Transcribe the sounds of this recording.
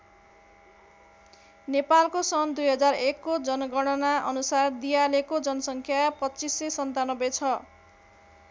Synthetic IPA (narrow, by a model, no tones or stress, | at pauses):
nepalkosʌnd̪ujɦʌd͡zarekːod͡zʌnʌɡʌɽ̃ʌnaʌ̰nusard̪ijalekod͡zʌnʌsʌŋkʰjapʌt͡sisːesʌnt̪anʌbet͡sʰʌ